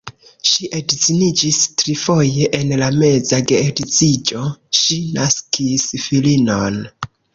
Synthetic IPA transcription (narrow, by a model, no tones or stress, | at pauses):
ʃiʔedt͡sinid͡ʒistɾifo̞je̞ʔenlame̞zaɡeːdit͡sid͡ʒo̞ʃinaskisfilinon